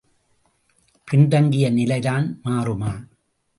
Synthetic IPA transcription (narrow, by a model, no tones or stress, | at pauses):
kɪɳɖɐŋɡɪjɐnɪlɐɪðaːnmaːrɯmaː